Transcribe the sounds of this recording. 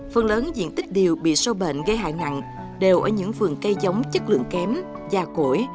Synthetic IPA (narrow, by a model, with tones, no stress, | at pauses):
fə˨˩nləː˨˦nzḭ˧˨ənt̪ï˦˥k̟̚ɗi˨˩əwɓḭ˧˨so˧ɓḛ˧˨nɣə˧jɦa̰ː˧˨jna̰˧˨ŋ | ɗe˨˩wʔəː˧˩ɲɨ̰˧˥ŋfɨ˨˩əŋkə˧jzə˨˦wŋ͡mt͡ɕə˦˥k̚lɨ̰˧˨əŋkɛ˨˦m | zaː˨˩ko˧˩˨j